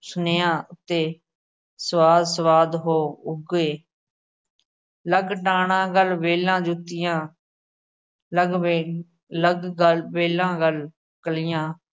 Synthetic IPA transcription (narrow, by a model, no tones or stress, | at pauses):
sʊneːãːʊt̪ːeː | səʋaːd̪səʋaːd̪ɦoːʊɡeː | ləɡʈaːɳãːɡəlʋeːlãːd͡ʒʊt̪ːɪjãː | ləɡ | ləɡəʋeːlãːɡəl | kəlɪjãː